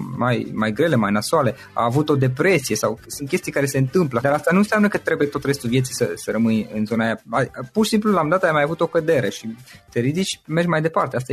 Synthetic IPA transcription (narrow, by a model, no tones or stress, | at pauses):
majmajɡɾe̞le̞majnasuale̞ | a̰ːvut̪o̞d̪e̞pɾe̞sije̞sawsunt̪kʲe̞st̪ijekaɾe̞se̞ɨnt̪ɨmpləd̪aɾast̪anunseamnəkət̪ɾe̞bujet̪o̞t̪ɾe̞st̪ulvjesijsəsəɾəmɨnɨnzo̞naːjaapurʃisimp̬lulaumd̪at̪əamajavut̪o̞kəd̪e̞ɾeʃit̪eɾid̪it͡ʃʲme̞rɡmajd̪e̞part̪eas̬t̪a